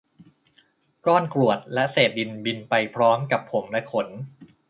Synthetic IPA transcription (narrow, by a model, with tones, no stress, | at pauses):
kɔː˥˩nkɾu˨˩ət̪̚lɛ˦˥ʔseː˨˩t̪̚di˧nbi˧npa˧jpʰɾɔː˦˥mka˨˩pʰːo˩˦mlɛ˦˥ʔkʰo˩˦n